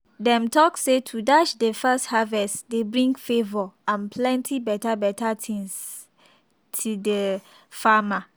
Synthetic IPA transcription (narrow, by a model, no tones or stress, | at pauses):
dɛ̃mtɔksetʰudat͡ʃdefɛsthavɛstdebɹĩŋɡfevɔãnpʰlɛ̃ntʰibɛtabɛtʰatʰĩŋs | tʰudə | fama